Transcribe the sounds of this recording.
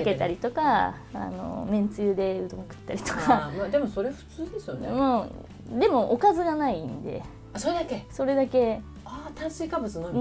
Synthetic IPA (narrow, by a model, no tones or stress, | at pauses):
ke̞t̪aɾʲit̪o̞ka | a̰no̞̰mẽ̞nt͡sɨjɯːd̪e̞ɯ̟d̪õ̞ŋkɯ̟̥t̪ːaɾʲit̪o̥kamad̪e̞mo̞so̞ɾeɸɯ̟̥t͡sɨːd̪e̞sɨjonemo | d̪e̞mo̞ʔokazɨɡanaĩnd̪e̞̰ | asoɾed̪akeso̞ɾe̞d̪ake̞ | at̪ãɰ̃siːkabɯ̟t͡sɨno